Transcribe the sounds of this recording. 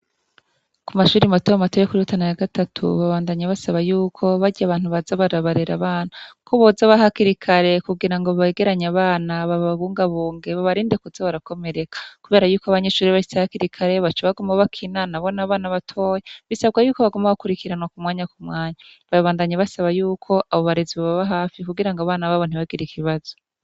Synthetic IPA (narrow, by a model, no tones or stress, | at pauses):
kumaʃuːɾimatojamatojekuɾiutanajaɡatatʰṵβaβaːndaɲaβasaβajuːkʰo̞βaɟiaβaːnhuβazaβaɾaβaɾeɾaβaːnakʰoβozaβaɦakiɾikʰaɾe̞kuɡiɾaŋɡo̞βaeɡe̞ɾaɲaβaːnaβaβaβuːŋɡaβuːŋɡe̞βaβaɾiːndekuzaβaɾako̞me̞ɾekḁkuβe̞ːɾajuːkoaβaɲe̞ʃuːɾiβaʃi̥sehakiɾikʰaɾe̞βat͡ʃaβaɡomaβakʰinanaβo̞naβaːnaβatʰo̞ːjeβisaβɡajuːkoβaɡomaβakuɾikiɾanwakumwaːɲakumŋaːɲaβaβaːndaɲeβasaβajuːkʰo̞ʔaβo̞βaɾeziβaβaβaɦaːfikuɡiɾaŋɡaβaːnaβaβon̥uβaɡiɾikʰiβaz̥o̞